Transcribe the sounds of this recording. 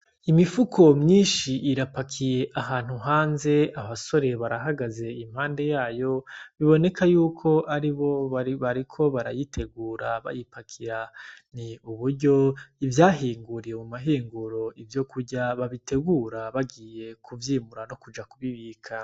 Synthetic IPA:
imifukʰo̞mɲiːnʃiʔiɾapakʰije̞ʔaɦaːn̥huɦaːnze̞aβaso̞ɾe̞βaɾaɦaɡaze̞imhaːnde̞jaːjo̞βiβo̞ne̞kajuːkʰo̞ʔaɾiβo̞βaɾikʰo̞βaɾa̰jitʰe̞ɡuːɾaβa̰jipakʰiɾaniuβuɾɟo̞ivjaːɦiːŋɡuɾiɾemumaɦiːŋɡuɾo̞ivjo̞kuɾɟaβaβitʰe̞ɡuːɾaβaɡiːje̞kʰuvjiːmuɾano̞kud͡ʒakuβiβiːkʰa

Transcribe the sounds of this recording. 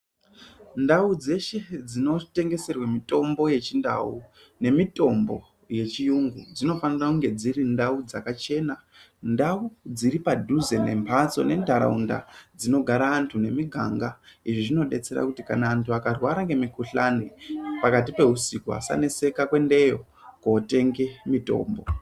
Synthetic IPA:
ndaud͡ze̞ʃe̞d͡zino̞te̞ŋɡe̞se̞rwamito̞mbo̞je̞t͡ʃinda̰u | ne̞mito̞mbo̞̰ | je̞t͡ʃijuŋɡud͡zino̞fanirakuŋɡe̞d͡ziɾindaud͡zakat͡ʃe̞na | ndaud͡ziɾipadʱuzenempʰat͡so̞̰ne̞ndʱaɾa̰unda̰d͡zino̞ɡʱaɾaːntʰune̞miɡʱa̰ŋɡaiʐiʐino̞ɗe̞t͡se̞ɾa̰kutikanaːntʰuakarwaɾake̞mikuɬanepakat̬ipe̞ɦusikua̰sa̰ne̞se̞kakwe̞nde̞jo̞ | kːte̞ŋɡe̞mito̞̰ːmbo̞

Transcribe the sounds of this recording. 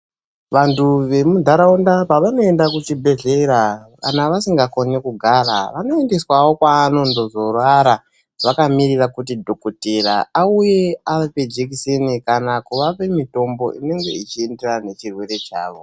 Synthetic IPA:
ʋantʰuʋe̞mudʱaɾaundapaʋano̞e̞ndakut͡ʃibʱe̞ɮe̞ɾaka̰naʋasiŋɡako̞nekuɡʱaɾa̰ʋano̞e̞nde̞swawo̞kwaːno̞ndo̞zo̞rwaɾa | ʋakamirirakutidʱo̞koteɾa̰auje̞aʋeped͡ʒekisenikanakuʋape̞mito̞mbo̞̰ʔḭne̞ŋɡe̞̰it͡ʃienderane̞t͡ʃirwe̞ɾe̞t͡ʃa̰ːʋo̞̰

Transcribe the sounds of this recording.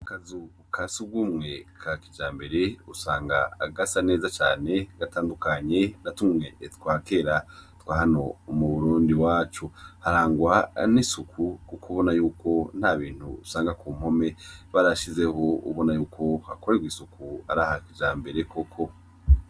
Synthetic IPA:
akazu | kʰasub̚ɡumŋe̞kʰakid͡ʒaːmbe̞ɾe̞usaːŋɡa̰a̰ɡasane̞ːzat͡ʃa̰ːne̞ɡ̥ataːndukaɲe̞natumŋe̞twaːke̞ːɾatwaːhano̞umuβuɾuːndiwaːt͡ʃuhaɾaːŋɡwanisukʰukukʰuβo̞najuːkʰo̞n̥haβiːn̥hṵusaːŋɡakuːm̥ho̞me̞βaɾaʃize̞ho̞ṵβo̞najuːkʰo̞hako̞ɾeɡwisukʰuaɾaːhakid͡ʒaːmbe̞ɾe̞kʰokʰo̞

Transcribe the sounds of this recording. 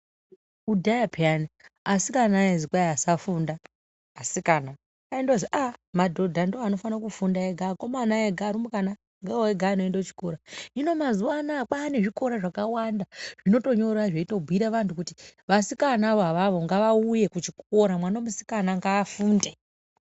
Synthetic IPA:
udʱajapʰianiasikanaezikwaiasafundaː | sikana | kaindoziʔamadʱo̞dʱandooano̞fanakufundaeɡʱakomanaeɡʱaɾumukana | ŋɡaoeɡʱaino̞endat͡ʃi̥koɾaino̞mazuwanak͡paːne̞ʐiko̞ɾaʐakawandaʐ̥ino̞to̞ɲo̞ɾaʐeitobʱwiɾaʋantukutiʋasikanaʋaʋaʋo̞ŋɡaʋauje̞kut͡ʃikoɾamwanamusi̥kanaŋɡaːfuːnde

